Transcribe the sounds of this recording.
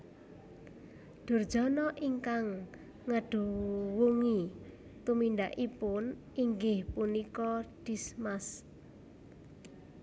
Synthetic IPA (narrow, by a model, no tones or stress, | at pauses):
d̪̥ʊ̤rd̥ʒ̥ɔ̤nɔʔiŋkaŋː | əɖ̥uwuŋi | t̪umind̪aʔipʊn | ʔiŋɡɪhpunikɔd̪̥ismas